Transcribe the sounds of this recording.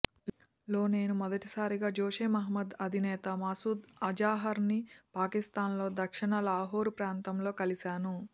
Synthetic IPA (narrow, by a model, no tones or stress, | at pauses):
lo̞ːne̞ːnumɔd̪ɐʈisaːɾiɡaːd͡ʒoːʂeːmɐɦɐmɐd̪ɐd̪ʱinɛːt̪ɐmɐsuːd̪ɐd͡ʒaːɦɐɾnipaːkist̪aːnlo̞ːd̪ɐkʂiɳɐlaːɦoːɾupɾaːnt̪ɐmlo̞ːkɐlisaːnu